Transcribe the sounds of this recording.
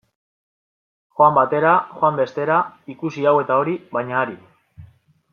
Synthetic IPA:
xoambat̪e̞ɾaxoambe̞st̪e̞ɾaikusiawe̞t̪ao̞ɾiβajɲaːɾi

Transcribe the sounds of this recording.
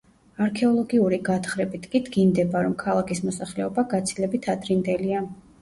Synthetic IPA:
aɾkʰɛɔlˠɔɡiuɾiɡat̪ʰχɾɛbit̪ʰkʼid̪ɡind̪ɛbaɾɔmkʰalˠakʰismɔsaχlɛɔbaɡat̪sʰilɛbit̪ʰad̪ɾind̪ɛlia

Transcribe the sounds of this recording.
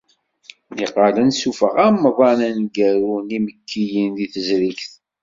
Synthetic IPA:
ðiqːɑlənsufəʁæmːəðˤɑnænɡæɾuniməkʰːijinðiθəzɾikθ

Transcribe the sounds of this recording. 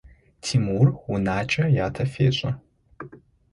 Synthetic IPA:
tʰimurunaːt͡ʃʼɐjaːtʰɐfḛːɕʷʼɐ

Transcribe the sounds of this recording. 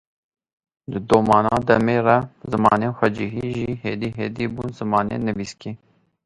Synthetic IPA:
d̪ɨd̪oːmɑːnɑːd̪ɛmeːrɛzɨmɑːneːxʷɛd͡ʒiɦiːʒiːheːd̪iːɦeːd̪iːbuːnzɨmɑːnḛːnɨviːskiː

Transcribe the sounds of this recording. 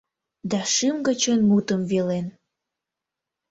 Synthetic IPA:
d̪ɑʃɨmɡə̆t͡ɕənmut̪əmvelen

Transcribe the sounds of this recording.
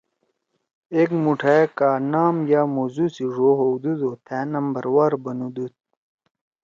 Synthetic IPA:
ekmuʈʰaekaːnaːmjaːmozusiʐoɦowd̪ud̪oːt̪ʰæːnɐmbɐɾwaːɾbɐnud̪ut̪̚

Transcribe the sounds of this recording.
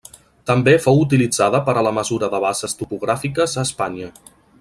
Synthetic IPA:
t̪əmbefowut̪̬ilid͡zaðəpəɾələməzuɾəðəβ̞azəst̪upuɣ̞ɾafikəzəːspaɲə

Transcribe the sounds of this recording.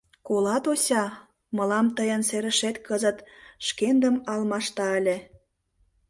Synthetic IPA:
kolɑt̪osʲɑ | mə̆lɑmt̪əjənseɾə̆ʃet̪kəzət̪ʃkend̪əmɑlmɑʃt̪ɑə̆lʲe

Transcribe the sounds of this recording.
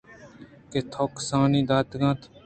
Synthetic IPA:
ket̪ʰoːksãːnĩːd̪aːt̪ɡãːt̪

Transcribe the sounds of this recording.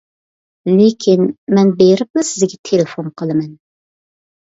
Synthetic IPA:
lekʲʰinmɛnbeɾɪp̚mɪsɪzɡʲɛt̪ʰelefonqəlˠɨmɛn

